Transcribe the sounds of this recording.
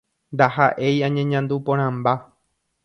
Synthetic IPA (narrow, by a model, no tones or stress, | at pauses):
nd̪ahaʔe̞jãɲẽɲãnd̪upõɾ̃ãmba